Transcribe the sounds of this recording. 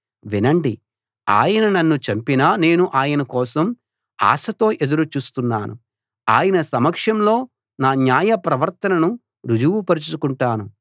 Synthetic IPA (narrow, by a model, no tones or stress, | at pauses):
ʋinɐɳɖi | a̰ːjɐnɐnɐnːut͡ʃɐmpinaːne̞ːnuʔaːjɐnɐkɔːsɐm | a̰ːsɐt̪o̞ːʔed̪uɾut͡ʃuːst̪unːaːnṵ | a̰ːjɐnɐsɐmɐkʂɐmlo̞ː | naːnjaːjɐpɾɐʋɐɾt̪ɐnɐnu | ɾud͡ʒuʋupɐɾit͡ʃukuɳʈaːnu